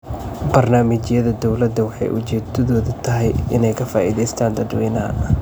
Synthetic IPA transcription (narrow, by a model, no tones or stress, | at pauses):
bɐrnaːmɪt͡ʃjɐðɐd̪ɔwlɐd̪ːɐwɑħɑ̰jʔʊ̰t͡ʃɛːt̪ʰɐðɔːðɐt̪ʰɐɦɛjʔɪnɛjkʰɐfa̰ːʔiðɛjst̪ʰaːnd̪ɐd̪wɛːnɐɦɐ̰